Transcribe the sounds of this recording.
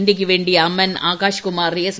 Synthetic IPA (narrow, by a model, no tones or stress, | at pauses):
nʈ̪ik̬iʋeɳɖiɐmːɐna̰ːkaːʃkumaːɾːies